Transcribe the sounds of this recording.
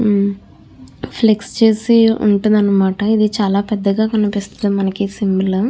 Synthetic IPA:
pʰlekst͡ʃe̞ːsiṵɳʈund̪ɐnːɐmaːʈɐid̪it͡ʃaːlaːpɛd̪ːɐɡaːkɐnipist̪ɐ̥d̪imɐnɐkisimbilɐ

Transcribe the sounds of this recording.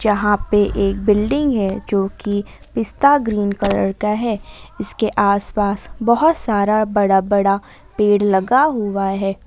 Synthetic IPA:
d͡ʒɐɦãpeʔeːk̚bɪlɖɪ̃ŋɡɦɛd͡ʒoːki | pɪst̪aɡɾiːnkɐlə̰ɽkaɦɛɪskeʔaːspaːsbɐɦʊt̪saːɾabɐɽabɐɽa | peːɽlɐɡaɦʊaɦɛː

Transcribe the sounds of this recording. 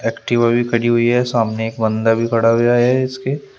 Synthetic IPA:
ɛːkʈɪʋabʱikʰɐɽiɦʊiɦɛsaːmneeːk̚bɐ̃nd̪abʱikʰɐɽaɦʊjaɦɛɪske

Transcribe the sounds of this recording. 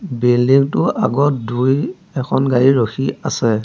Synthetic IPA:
biliŋtʊa̰ɡɔt̚duj | ɛkʰɔnɡaɹiɹoxʰiasɛ

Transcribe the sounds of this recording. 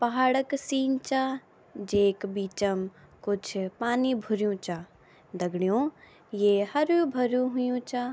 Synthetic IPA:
pɐɦaːɽəksiːnt͡ʃa | d͡ʒeːkbiːt͡ʃəm | kʊt͡ʃʰpaːnibʱʊɾjũt͡ʃaː | d̪ɐɡɽijõ | jeːhɐɾjũbʱɐɾjũɦʊjũt͡ʃa

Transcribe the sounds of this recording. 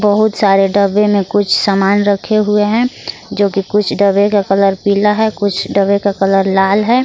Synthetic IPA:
bəɦʊt̪saːɾeɖəbemẽkʊt͡ʃʰsamaːnɾəkʰeɦʊeɦɛ̃ | d͡ʒoːkikʊt͡ʃʰɖəbekakələɾpiːlaɦɛkʊt͡ʃʰɖəbekakɐləɾlaːlɦɛː

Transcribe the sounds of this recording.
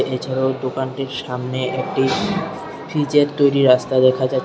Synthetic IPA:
ʔet͡ɕʰaɾad̪okanʈiɾʃamneʔek̚ʈi | fʰɾid͡ʑeɾt̪ːojɾiɾast̪ad̪ɛkʰad͡ʑa

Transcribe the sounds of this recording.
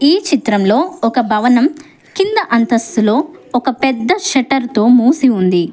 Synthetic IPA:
iːt͡ʃit̪ɾɐmlo̞ːɔkɐbʱɐʋɐnɐm | kind̪ɐʔɐnt̪ɐsulo̞ːɔkɐpɛd̪ːɐʃɐʈɐɾt̪o̞ːmuːsiund̪i

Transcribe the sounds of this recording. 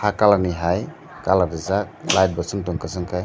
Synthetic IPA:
hakalaniɦaj | kalaɾizaklajt̚bɔsɯŋtɔŋkɯsɯŋkʰaj

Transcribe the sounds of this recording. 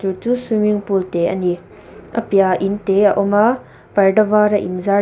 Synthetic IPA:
tutusumiŋpulteɐ̰ni | ʔɐ̰pjaʔinteaʔɔma | pɐɾɖɐvaɾɐʔḭnza

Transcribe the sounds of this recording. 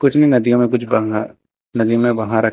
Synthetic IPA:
kʊt͡ʃʰnɐinɐd̪ijõmẽkʊt͡ʃʰbɐɦa | nɐd̪ijõmẽbɐɦãɾɐ

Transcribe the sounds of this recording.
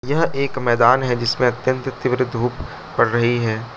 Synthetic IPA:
jɐɦeːkmɛːd̪aːnɦɛd͡ʒɪsmẽɐt̪jə̃nt̪t̪ɪʋɾɪd̪ʱuːp | pɐɽɾɐɦiɦɛː

